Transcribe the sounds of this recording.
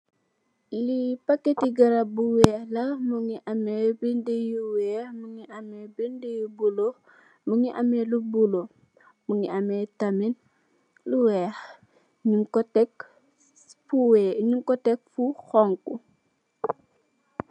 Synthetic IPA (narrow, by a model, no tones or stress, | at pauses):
lipakːetiɡɐɾabuwɛːlɐmuŋiʔamebindejuwɛmuŋiʔamɛbindejubulo | muŋiʔamelubulo | muŋiametamin | luwɛx | ɲuŋkɔtɛk | fuweɲuŋkɔtɛk̚fuxɔŋku